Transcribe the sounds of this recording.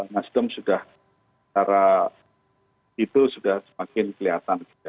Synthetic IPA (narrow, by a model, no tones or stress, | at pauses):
masdəmsudah | t͡ʃaɾa | it̪usudahsəmakɪnkəliɦat̪anɡia